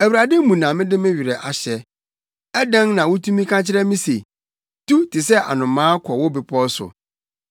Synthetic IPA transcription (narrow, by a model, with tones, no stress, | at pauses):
æ˨wu˨ɾa˨de˦mũ˨nã˨mɪ̃˦dɪ˦mɪ̃˦ɥᶣɪ˨ɾɛ˨ʔa˨ɕɛ˨ | ɛ˦dɛ̃˦ŋnã˨wʊ˦tʰũ˦mĩ˦kʰã˦t͡ɕʰɪ˦ɾɛ˦mĩ˦se˨ | tu˦tʰɪ˨sɛ˦ʔa̰˨nʊ̃˨mːãː˦kʰɔ˨wʊ˦bɪ˨pʰɔ˦sʊ̰˨